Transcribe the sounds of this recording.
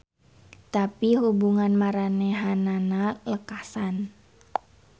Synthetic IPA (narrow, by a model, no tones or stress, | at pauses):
t̪apihubuŋanmaɾanɛɦananaləkasan